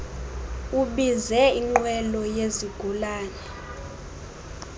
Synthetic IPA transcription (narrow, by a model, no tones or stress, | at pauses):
uɓizɛiŋ͡ǃwɛlɔjeziɡ̥ʱulaːɲɛ